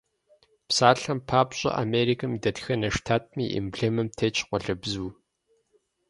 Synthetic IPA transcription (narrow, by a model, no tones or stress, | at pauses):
psaːɬɐmpʰaːpɕʼɐ̰ʔa̰meːɾikʰɐmidɐtxɐnɐʂtʰaːt̚ʰmḭːʔḭmbɮemɨmtʰeːt͡ʃʰqʷɔɬɨbzuː